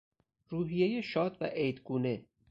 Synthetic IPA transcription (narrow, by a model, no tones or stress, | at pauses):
ɾuːɦijejeʃɒːd̪væ̰ʔejd̪ɡuːne